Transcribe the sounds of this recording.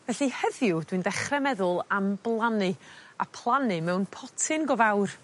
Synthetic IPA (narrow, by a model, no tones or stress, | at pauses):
vɛɬihəðjʊd̥windɛχrɛmɛðʊlˠamblˠanɨa̰pʰlˠanɨmɛwnpʰɔtʰɨnɡɔvawr